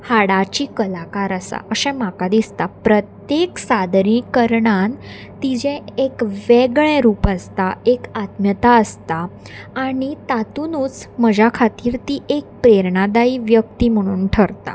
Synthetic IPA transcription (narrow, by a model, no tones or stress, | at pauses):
haɽat͡ɕiːkəlakaɾasa̰ʔəɕɛ̃makad̪ist̪apɾət̪jeksad̪ɾĩkəɾɳan | t̪id͡ʑɛ̃ekʋeɡɭɛ̃ɾuːpast̪aekat̪mjət̪aəst̪aː | ɽ̃it̪at̪unuːt͡sməd͡ʑakʰat̪iːɾt̪iːʔek̚pɾeɾɳad̪aiːʋjək̚t̪im̤əɽ̃uːnʈʰəɾt̪a̰